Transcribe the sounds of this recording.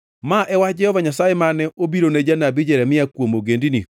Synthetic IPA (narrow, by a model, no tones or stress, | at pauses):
maʔɛwad͡ʒɛhɔvaɲasajemanɛʔobiɾonɛd͡ʒanabid͡ʒɛɾɛmɪakwomoɡendini